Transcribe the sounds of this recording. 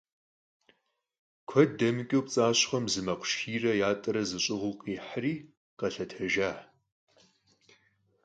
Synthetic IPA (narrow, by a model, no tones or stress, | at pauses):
kʷʰɔddɐmɨkʲʼowpt͡sʼaːɕχɐmzɨmɐqʷʊ̥ʃiːrɐjaːtʼɨɾɐzɨɕʼɪʁʊqiːħriː | qɐɬɐtʰɐʒaːħ